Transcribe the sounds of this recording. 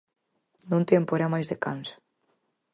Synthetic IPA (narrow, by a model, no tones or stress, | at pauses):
nũnt̪jempoeɾamajzðekansḁ